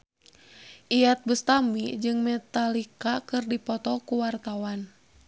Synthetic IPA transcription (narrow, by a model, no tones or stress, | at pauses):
ʔijat̪̚bəst̪amid͡ʒɨŋmɛt̪alikakɨrdipɔt̪ɔkuwart̪awan